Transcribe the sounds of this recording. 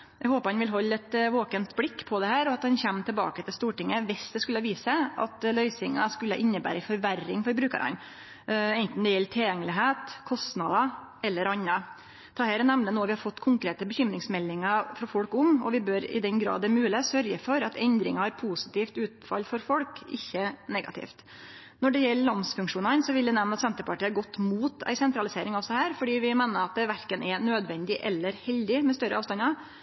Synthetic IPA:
jɛhoːpəɾhɑnʋɪlɦɔlːɛt̪ʋoːkənt̪blɪkːpʰɔd̪ɛhæːɾɔɑt̪̚d̪ɛnçɛmːt̪ʰɪlbɑ̰ːkət̪ɪlst̪uːʈɪŋːəʋɪsd̪ɛskʉlːəʋiːsəɑ̰t̪lœʏsɪŋɑ̰skʉlːəʔɪnːəbæ̰ːɾəfɔɾʋærːɪŋfɔɾbɾʉːkə̰ɾɑ̰n | ɛɪnt̪n̩d̪ɛjɛlːt̪ʰɪljɛŋːəlɪɦeːt̪kʰɔst̪nɑd̪ɑ | ɛlːəɾɑnːɑ | t̪ʰɑːhæːɾnɛmnənoːʋɪhɑɾfɔt̪ːkʰʊŋkɾeːt̪əbəçʏmɾɪŋsmɛlːɪŋɑfɾɑfɔlkʊmɔ̰ʋɪbøːɾɪ̰d̪ɛnɡɾɑ̰ːd̪ɛmʉːləsœɾɡəfɔɾɑt̪ʰɛnd̪ɾɪ̰ŋɑhɑɾpʰuːsɪ̥t̪iːft̪ʉːt̪fɑ̰lfɔɾfɔlkɪçːənɛɡɑ̰t̪ʰɪ̰ːft̪ | nɔɖɛjɛlːəlɑnsfʉŋkʂuːnɑnsɔʋɪld̪æɪnɛmnɑt̪sɛnt̪əɾpɑʈiːɑɾɡɔt̪ːmuːt̪æ̰ɪsɛnt̪ɾɑlɪseːɾɪŋɑʋsɔhæːɾfɔɖiːʋɪmeːnəɾɑt̪̚d̪ɛʋæɾkənʔɛnøːd̪ʋɛnd̪ɪʔɛlːəɾhɛld̪ɪmɛst̪œɾəɑːʋst̪ɑnɑ

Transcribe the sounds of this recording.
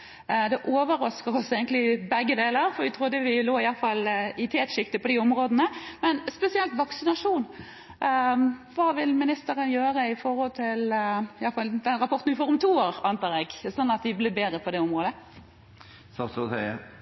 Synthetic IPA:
d̪ɛʔoːʋəɾɑskəɾʁɔseːɡəŋt̪lɪɪbɛɡːəd̪eːləɾfɔɾʋɪt̪ʰʁʊd̪ːəʋɪloːɪjɑlfɑlɪt̪ʰeːt̪ʂɪkt̪ɪpɔd̪iʊmʁoːd̪ənəmɛnspɛsɪɛlt̪ʋɑksɪnɑʂuːn | ʋɑːʋɪlmɪnɪst̪əɾənjøːɾəɪfɔɾhɔlt̪ʰɪlɪjɑlfɑld̪ɛnɾɑpɔʁt̪n̩ʋɪfoːɾʊmt̪ʰuːoːɾɑnt̪ɑːʁɛɡsɔnːɑt̪ʋɪblɪbeːd̪ɾəpʰɔd̪ɛʊmʁoːd̪ə | sɑsɔsɛɪə

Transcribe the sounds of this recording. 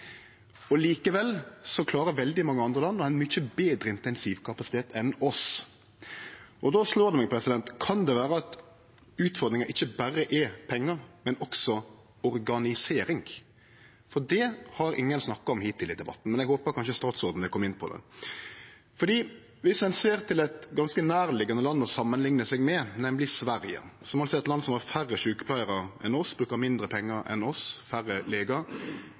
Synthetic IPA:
ɔliːkəʋɛlsɔkʰlɑːɾəʋɛld̪ɪmɑŋːəɑnd̪ɾəlɑnːɔæɪnmʏçəbeːd̪ɾəɪnt̪ɛɪnsiːʋkʰɑpɑsɪt̪ʰeːt̪ɛnɔs | ʔɔd̪ɔsloːɾd̪ɛmɛɡpʰɾɛsɪd̪ɛnt̪kʰɑnd̪ɛʋæːɾəɑt̪ | ʉːt̪fɔɾd̪ɾɪŋɑɪçːəbæɾːəʔɛpʰɛŋːɑmɛnɔksɔ | ɔɾɡɑnɪseːɾɪŋ | fɔd̪ɛhɑɾɪ̰ŋːənsnɑkːɑɔmhiːt̪ʰːɪlɪd̪ɛbɑ̰t̪ːn̩mɛnɛɡhoːpəkʰɑnʃəst̪ɑːt̪sɔɾd̪n̩ʋ̪ɛkʰɔmːɪnːpʰɔd̪ɛ̰ | fɔɖ̪iː | ʋɪsmɛnseːɾt̪ʰɪlɛɪt̪ɡɑnskənæːɾlɪɡɑnəlɑnːɔsɑmːənlɪŋnəsɛɡmɛnɛməlɪsʋæɾjə̰sɔmɑlsɔɛt̪lɑnːsɔmhɑɾfærːəʃʉːkə̥pʰlæɪəɾəɛ̰nɔsbɾʉːkəɾmɪnd̪ɾəpʰɛŋːɑɾɛ̰nɔsfæɾːəleːɡɑɾ

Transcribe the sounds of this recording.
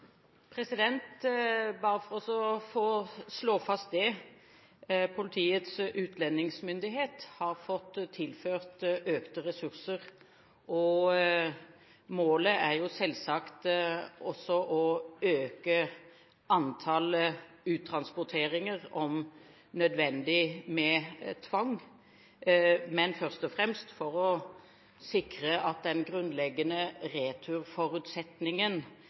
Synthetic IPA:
pʰɾɛsɪd̪ɛnt̪bɑːʁəfɔʁɔsɔfoːsloːfɑst̪̚d̪ɛ | pʰʊlɪt̪ʰiːət̪sʉːt̪lɛnːɪŋsmʏnd̪ɪɦeːt̪hɑʁfɔt̪ːt̪ʰːɪlføːʁt̪øːkt̪əʁɛsʉʁsəʁ | ʔɔ | moːləæʁjʊsɛlsɑkt̪ɔsːɔʔɔøːkə | ʔɑnt̪ʰɑːlə | ʉːt̪ʰɾɑnspɔʁt̪ʰeːʁɪŋəʁɔm | nœd̪ʋɛnd̪ɪmɛt̪ʰʋɑŋ | mɛnfœʁst̪ɔfʁɛmst̪fɔɾɔ | sɪkɾəʔɑt̪̚d̪ɛnɡɾʉnd̪lɛɡːənəɾeːt̪ʰʉʁfɔɾʉt̪sɛt̪nɪŋən

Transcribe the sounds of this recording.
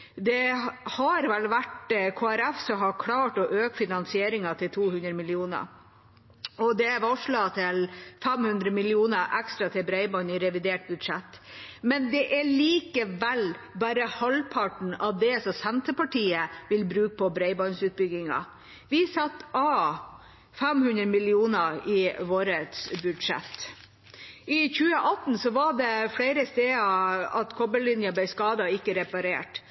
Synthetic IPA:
d̪ɛhɑɾʋɛlːʋæʈkʰoːæɾɛfsɔɦɑkʰɽɑːʈɔʔøːkfɪnɑnsɪeːɾɪŋɑt̪ʰɪlt̪ʰuːhʉnd̪ɾəmɪlɪuːnə̰ | ɔd̪ɛʋɔʂɭɑt̪ʰɪlfɛmhʉnd̪ɾəmɪlɪuːnəɾʔɛkst̪ɾɑt̪ʰɪbɾɛɪbɔnɪɾɛʋɪd̪eːʈ̚bʉd̪ʂɛt̪ː | mɛnd̪ɛʔæɭiːkəʋɛlbæːɾəhɑlpʰɑʈɳ̩ɑʋd̪ɛsɔsɛnt̪əpɑʈʰiːəʋɪlbɾʉːk̚pʰɔbɾɛɪbɔnsʉːt̪̚bʏɡɪŋɑ̰ | ʋɪsɑt̪ːɑ | fɛmhʉnɾəmɪlɪuːnəɪʋoːɾət̪sbʉd̪ʂɛ̰t̪ː | ɪçʉːəʔɑt̪n̩sɔʋɑɖɛfɽæɪɾəst̪eːɑɑt̪kʰɔbəlɪnjəblæɪskɑːd̪ɑɪkːəɾɛpɑɾḛːʈ

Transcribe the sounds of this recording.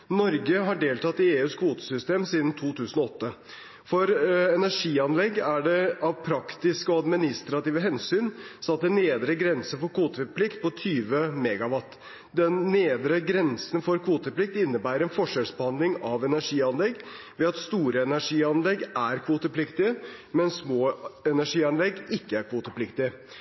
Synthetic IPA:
nɔɾɡəɦɑɖeːlt̪ʰɑt̪ɪeːʉːskʰʋuːt̪ə̥sʏst̪eːmsiːd̪n̩t̪ʰuːt̪ʰʉːsən̩ɔɔt̪ːə | fɔɾɛnæʂiːɑnlɛɡːæɖɛɑʋpʰɾɑkt̪ɪskəɔɑd̪mɪnɪst̪ɾɑt̪iːʋəɦɛnsyːnsɑt̪ːəneːd̪ɾəɡɾɛnsəfɔɾkʰʋuːt̪əpʰlɪkt̪̚pɔt̪ʰyːʋəmɛɡɑʋɑt̪ː | d̪ɛnːeːd̪ɾəɡɾɛnsən̩fɔɾkʰʋuːt̪əplɪk̚t̪ɪnːəbæːɾɛnfɔʂɛlsbəhɑnd̪lɪŋɑʋɛnæʂiːɑnlɛɡː | ʋɛɑt̪st̪uːɾəɛnæʂiːɑnlɛɡæɾkʰʋuːt̪əpʰlɪkt̪ɪəmɛnsmoːɛnæʂiːɑnlɛɡɪkːəæɾkʰʋuːt̪əpʰlɪkt̪ɪə

